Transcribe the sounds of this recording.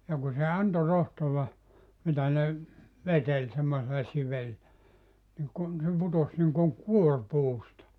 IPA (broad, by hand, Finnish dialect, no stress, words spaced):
jɑ ku se ɑnto rohtoʋɑ mitæ ne ʋetelʲ semːoselːɑ siʋel niŋ kun se putos niŋkoŋ kuor puːstɑ